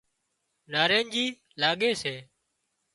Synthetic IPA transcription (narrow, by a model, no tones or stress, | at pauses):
naːɾeːnd͡ʒiː | laːɠeːseː